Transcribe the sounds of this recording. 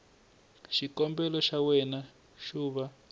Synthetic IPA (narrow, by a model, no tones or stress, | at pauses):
ʃikɔmbɛlɔʃawɛna | ʃuːβa